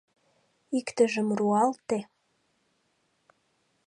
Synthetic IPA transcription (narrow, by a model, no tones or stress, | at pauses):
ikt̪əʒəmruɑlt̪e